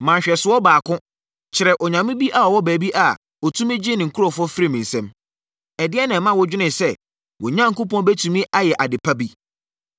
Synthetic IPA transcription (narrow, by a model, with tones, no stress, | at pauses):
mã˨ɕᶣɛ˨sʊ˨wɔ˦baː˨kʰʊ̃˦ | t͡ɕʰɪ˨ɾɛ˨ʔɔ˨ɲã˨mɪ̃˦bi˦ʔa˨ɔ˨wɔ˦bæː˨bi˦ʔa˨ | ɔ˨tʰũ˦mɪ̃˦d͡ʑɪ˦nɪ̃˨ŋ̩˨kʰʊ˦ɾo˨fɔ˦fɪ˦ɾi˦˨mɪ̃˨n˨sɛ̃˦m | ɛ˨dɪ˦ɛ˦nã˨mã˦wɔ˦d͡ʑᶣɪ˦nɪ̃˨sɛ˦˨ | wɔ˨ɲã˦ŋ̩˨kʊ˦pɔ̃˦nbɛ˦tʰũ˨mĩ˦ʔa˦jɛ˨ʔa˨dɪ˨pʰa˦bi˦